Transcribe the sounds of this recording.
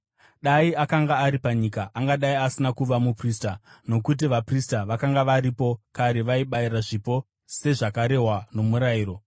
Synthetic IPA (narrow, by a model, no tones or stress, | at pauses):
ɗaiakaŋɡaːɾipaɲikaʔaŋɡaɗaiasinakuʋamupristano̞kut̬iʋapristaʋakaŋɡaʋaɾipo̞kaɾe̞ʋaiɓaiɾaʐipo̞ | se̞ʐakaɾe̞ɦwano̞muɾaiːro̞